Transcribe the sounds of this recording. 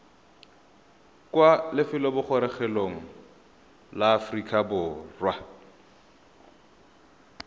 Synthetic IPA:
kʼwalɪfɪlɔbʊχɔɾɛχɛloŋ̩ | laːfrikʼabʊːrwa

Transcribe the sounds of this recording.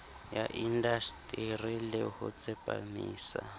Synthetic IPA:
jaʔindastʼirilɛhʊt͡sʼɛpʼa̰miːsa

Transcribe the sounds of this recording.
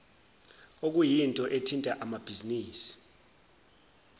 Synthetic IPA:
ok̬ʼujintʼɔʔetʰintʼaʔamab̥ʱiziniːsi̥

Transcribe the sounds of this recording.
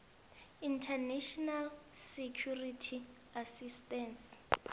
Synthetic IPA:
intʰɛnɛʃɔnal | sekʰjuritʰi | asistɛns

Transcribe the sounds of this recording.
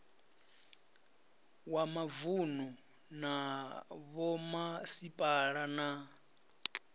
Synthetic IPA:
wamavunɔ | na | βɔmasipʼaɺana

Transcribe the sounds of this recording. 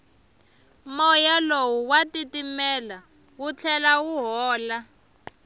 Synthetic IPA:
mɔjalowuwatitimɛla | wut͡ɬʰɛlawuɦɔːla

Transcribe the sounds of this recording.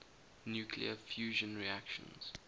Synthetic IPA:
njuːkʰlḭəfjuːʒə̃nɹiakʃə̰̃nz̥

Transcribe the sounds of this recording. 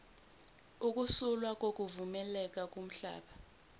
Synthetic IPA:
uk̬ʼusulwak̬ʼok̬ʼuvumɛlɛk̬ʼak̬ʼum̩ɬa̰ːɓa

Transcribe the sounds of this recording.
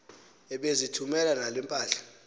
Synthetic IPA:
ɛɓezitʰumɛlanalwimpʼaːɬḁ

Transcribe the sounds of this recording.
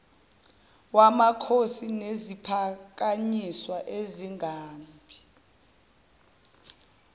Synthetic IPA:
wamakʰosinezipʰak̬aɲiswaʔeziŋaːmpʰi̥

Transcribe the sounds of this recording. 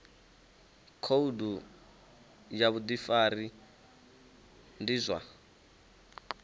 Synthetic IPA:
kʰoudu | jaβud̪ifari | ndizʷa̰

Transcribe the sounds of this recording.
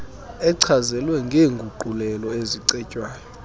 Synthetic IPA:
ɛǀʰazɛlwɛŋɡʱeːŋɡʱuǃʱulɛlɔeziǀɛcʼwaːjɔ

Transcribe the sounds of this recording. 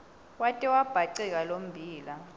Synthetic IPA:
watʼiwab̥ʱaǀɛk̬alom̩bʱiːla

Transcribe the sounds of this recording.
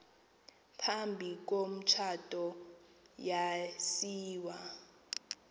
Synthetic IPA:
pʰambʱik̬om̩t͡ʃʰatʼɔ | jasiːwa

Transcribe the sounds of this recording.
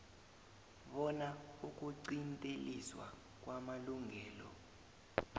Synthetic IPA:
ɓɔnauk̬ʼuǀintʼelḭswa̰ | k̬ʼwamaluŋʱɛːlɔ̰

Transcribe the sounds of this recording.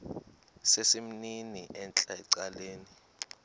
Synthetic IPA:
sesim̩niniɛnt͡ɬʼaɛǀaleːni

